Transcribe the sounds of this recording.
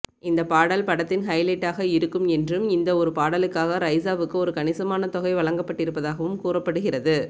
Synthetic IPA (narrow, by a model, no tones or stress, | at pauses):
ɪnd̪ɐpaːɽɐlpɐɽɐt̪ːɪnɦɐɪlɐʈːaːɣɐɪɾɯkːɯmɛndrɯmɪnd̪ɐɔɾɯpaːɽɐlɯkːaːɣɐɾɐɪsaːʋɯkːɯɔɾɯkɐɳɪsɐmaːnɐt̪ɔɣɐɪʋɐɭɐŋɡɐpːɐʈːɪɾɯpːɐðaːɣɐʋɯmkuːrɐpːɐɽɯɣɪrɐðɯ